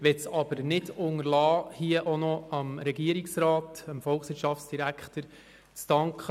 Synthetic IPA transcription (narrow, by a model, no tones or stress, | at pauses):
ʋɛtsɑb̥əɾnɪdʊŋəɾlɑːhiəʔonɔɑmɾɛɡiəɾiksɾɑːtɑmfɔlχsʋɪɾtʃɑftsd̥iɾækχtəɾ | t͡stɑŋkʰχə